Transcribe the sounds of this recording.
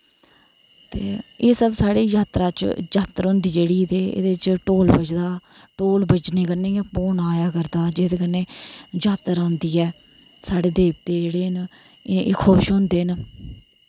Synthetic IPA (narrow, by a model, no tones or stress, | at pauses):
t̪eːeːsəbsaːɽeːd͡ʒaːt̪ɾaːt͡ʃd͡ʒaːt̪ːəɾɦõːnd̪iːd͡ʒeːɽiːt̪eːḛd̪eːt͡ʃʈoːlbəd͡ʒd̪aː | ʈoːlbət͡ʃneːkənːẽːpoːnaːjaːkəɾd̪aːd͡ʒeːd̪eːkənːeːd͡ʒaːt̪əɾãːnd̪iːɛː | saːɽeːd̪eːp̚t̪eːd͡ʒeːɽeːn | kʰoːʃɦõːnd̪eːn